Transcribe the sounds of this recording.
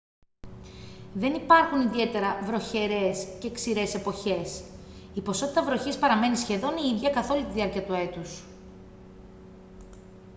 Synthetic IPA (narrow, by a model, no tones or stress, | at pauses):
ðe̞nipɐɾxuniðie̞t̪e̞ɾɐvɾo̞çe̞ɾe̞sceksiɾe̞se̞po̞çe̞s | ipo̞so̞t̪it̪ɐvɾoçispɐɾɐme̞nisçe̞ðo̞niiðʝɐkɐθo̞lut̪iðiɐɾciɐt̪ue̞t̪us